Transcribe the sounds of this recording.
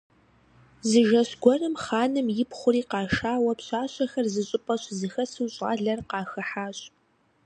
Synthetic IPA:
zɨʒɐɕɡʷɔrɨmχaːnɨmjɪpχʷʊriːqɑːʃaːwɐpɕaːɕʼɐxɐrzɨɕʼɪpʼɐɕzɨxɐsɨwɕʼʁɑ̰ːɮɐrqɑːxɐħaːɕʼ

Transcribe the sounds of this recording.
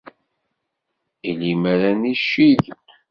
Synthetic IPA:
ilimæɾæniʃið

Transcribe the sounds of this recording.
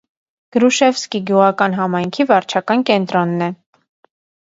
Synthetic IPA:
ɡ̥əɾuʃɛfskiɡjuʁɑkɑnɦɑmɑjŋkʰivɑɾt͡ʃʰɑkɑnkɛnt̪ɾɔnːɛ

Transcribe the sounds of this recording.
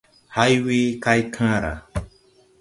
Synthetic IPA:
hajwikajkʰãɾa̰

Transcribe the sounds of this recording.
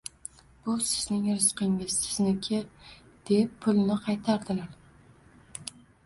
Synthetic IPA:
b̥ʊsɪznɪŋɾɪsqɨŋɪz̥sɪznɪkʲʰe | d̪̥epʰːʊlˠnɪqʰɑjt̪ʰaɾd̪ɪlaɾ

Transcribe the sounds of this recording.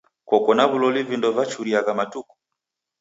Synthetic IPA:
kɔkɔnaβulɔlivindɔvat͡ʃuɾiaɣamatuku̥

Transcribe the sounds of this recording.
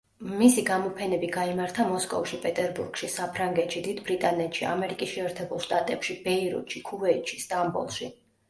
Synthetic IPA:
misiɡamɔpʰɛnɛbiɡaimaɾt̪ʰamɔskʼɔ̰fʃipʼɛt̪ʼɛɾbṵɾɡ̥ʃisapʰɾaŋɡɛt̪ʃid̪id̪bɾit̪ʼanɛt̪ʃia̰mɛɾikʼisʃɛɛɾt̪ʰɛbulˠʃt̪ʼat̪ʼɛpʃibɛiɾṵt̪ʃikʰuvɛit̪ʃʰi̥st̪ʼambɔ̰lˠʃi

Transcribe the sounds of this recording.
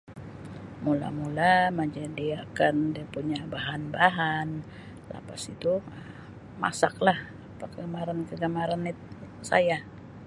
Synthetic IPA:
mula̰mulaməd͡ʒadiakandipuɲabaɦanbaɦan | la̰pasit̪uə | ma̰saklah | apakəɡəmaɾankəɡəmaɾanit̪̚sa̰ja

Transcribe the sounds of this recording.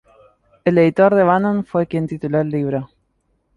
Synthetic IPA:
eleðit̪oɾðeβanonfwekjent̪it̪uloelːiβɾe

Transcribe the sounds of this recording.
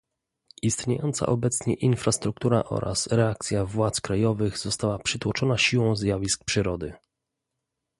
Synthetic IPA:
ist̪ɲejɔnt̪sa̰ʔɔbɛt̪sɲɛʔinfɾast̪ɾuk̚t̪uɾa̰ʔɔ̰ɾʔa̰sɾɛak̚t̪sʲjavwat̪skɾajɔvɘɣzɔst̪awapʂɘt̪wɔt͡ʂɔnaɕiwɔ̃w̃zʲjavʲisk̚pʂɘɾɔd̪ɘ̰

